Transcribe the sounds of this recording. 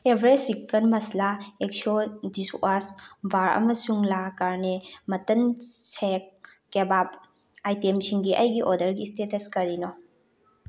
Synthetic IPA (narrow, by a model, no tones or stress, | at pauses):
ebʱɾesikːɐnmɐslaek̚sodisasbaɾɐ̰mɐsuŋlakaɾnemɐtɐnsek̚ː | ebap | ajtemsʰiŋɡiʔɐjɡiʔodɐɾɡistetɐskɐɾinɔ